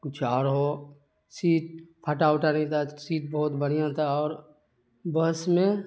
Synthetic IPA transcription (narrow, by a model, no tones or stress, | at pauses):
kʊt͡ʃʰaːɾɦo | siːʈ̚pʰəʈaːʊʈanɐĩt̪ʰasiːʈ̚bəɦʊt̪bəɽjãt̪ʰaɔːɾ | bəsmẽ